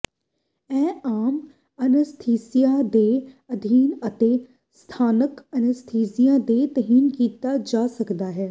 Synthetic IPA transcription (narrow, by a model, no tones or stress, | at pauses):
ɛ̃ːaːm | ɐnəst̪ʰeːsijad̪eːɐd̪ʱiːnɐt̪e | st̪ʰaːnəkɐnəst̪ʰeːsijãd̪eːt̪ɐɦiːnkiːt̪ad͡ʒaːsɐkd̪aːɦɛː